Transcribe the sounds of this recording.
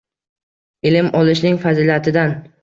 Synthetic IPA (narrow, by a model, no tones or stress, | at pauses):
ɪlɪmɒlˠɪʃnɪŋfazilʲat̪ʰɪd̪an